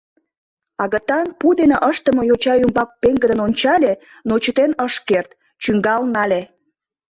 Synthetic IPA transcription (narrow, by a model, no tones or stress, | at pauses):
ɑɣət̪ɑnpud̪eneʔəʃt̪əmojot͡ɕɑjumbɑk̚peŋɡə̆d̪ənonʲt͡ɕɑlʲe | not͡ɕət̪enəʃkert̪ | t͡ɕyŋɡɑlnɑlʲe